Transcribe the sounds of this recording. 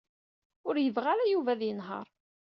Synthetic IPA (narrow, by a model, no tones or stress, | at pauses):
ʊɾjəvʁaɾæjuvæðjənɦə̰ɾˤ